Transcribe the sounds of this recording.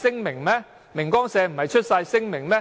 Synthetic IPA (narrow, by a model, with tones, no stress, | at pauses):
sɪ˥ŋmɪ˨˩ŋmɛː˥ | mɪ˨˩ŋkɔː˥ŋsɛː˧m̩˨˩hɐ˨jt͡ʃʰɵ˥t̚sɐ˧jsɪ˥ŋmɪ˨˩ŋmɛː˦˥